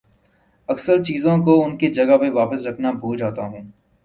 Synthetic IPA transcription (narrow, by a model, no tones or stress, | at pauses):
ɐksəɾt͡ʃiːzõkoʊnkid͡ʒɐɡapeʋaːpəsɾɐkʰnabʱuːd͡ʒaːt̪aɦuẽː